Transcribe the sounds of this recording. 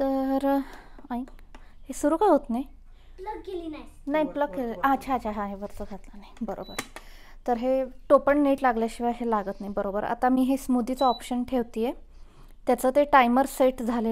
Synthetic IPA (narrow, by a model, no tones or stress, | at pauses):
t̪əɾãik | hesuɾuːkaɦot̪naj | pləkːelinanaɦjpləkːeləʔat͡ɕʰaːt͡ɕaɦãɦeʋəɾt͡səɡʱat̪lanajbəɾo̰bə̰ɾ | t̪əɾɦeʈopəɳneʈlaɡljaɕiʋajɦelaɡət̪naibəɾobəɾa̰t̪amiːɦesmud̪it͡səɔpɕənʈʰeʋt̪iːje | t̪jat͡səːt̪eʈajməɾseʈd͡zʱale